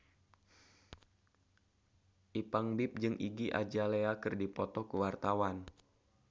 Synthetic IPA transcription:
ʔipaŋbɪp̚d͡ʒɨŋʔḭɡiʔa̰d͡ʒaleakɨrdipɔt̪ɔkəwart̪awan

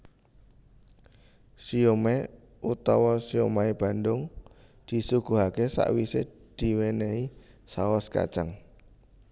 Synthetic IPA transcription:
siome | ʔut̪ɔwɔsiomaib̥a̤nd̪ʊŋ | d̪̥i̤suɡ̥uɦakesa̰ʔwise | d̪̥i̤wenei | saɔska̰̥t͡ʃaŋ

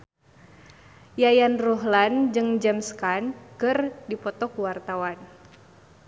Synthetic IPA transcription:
jajanrɔɦland͡ʒɨŋd͡ʒɛmskankɨrdipɔt̪ɔkuwart̪awan

